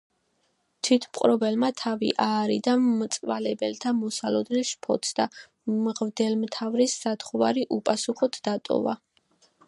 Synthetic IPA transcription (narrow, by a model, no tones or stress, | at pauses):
t̪ʰwit̪ʰmqʼɾɔbɛlmat̪ʰavḭʔaːɾid̪amt̪sʼvalɛbɛlt̪ʰamɔsalɔd̪nɛlˠʃpʰɔ̰t̪sʰd̪a | mʁvd̪ɛlmt̪ʰavɾisːat̪ʰχɔvaɾiʔupʼasuχɔt̪ʰd̪at̪ʼɔ̰va̰